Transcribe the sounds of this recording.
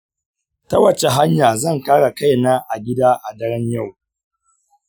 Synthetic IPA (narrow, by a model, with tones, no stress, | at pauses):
tɐ˦wɐ˨t͡ʃe˨ɦa˦ɲjaː˨zɐ˦˨ŋkaː˦ɽa˨ka˦˨jnaː˦ʔa˨ɡʲɪ˦daː˦ʔa˨dɐ˦ɽɪ˦ɲja˦˨w